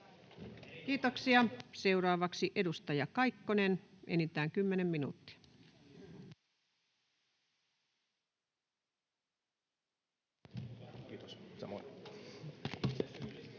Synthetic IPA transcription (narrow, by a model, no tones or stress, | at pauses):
kiːt̪oksiɑse̞uɾɑːʋɑksiʔedust̪ɑjɑkɑikːonenʔenit̪æːŋkymːenemminṵːt̪ːi̥ɑ̥ | t̪ssɑmo̰